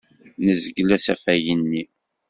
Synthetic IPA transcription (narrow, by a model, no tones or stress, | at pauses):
nəzəɡlæsæfæjənːi